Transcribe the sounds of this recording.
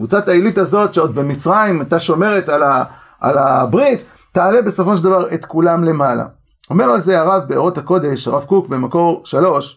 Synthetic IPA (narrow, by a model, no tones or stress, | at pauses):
kvut͡satailitazo̞tʃeod̪̚bemit͡sʁajimat̪aʃo̞me̞ʁe̞tala | a̰labʁit̪ː | aale̞be̞so̞fo̞ʃ̬eld̪avaʁet̪kulamle̞mala̰ | o̞me̞ʁalze̞aʁavbeo̰ʁo̞tako̞d̪e̞ʃaʁavkukbe̞mako̞ʁʃalo̞ʃ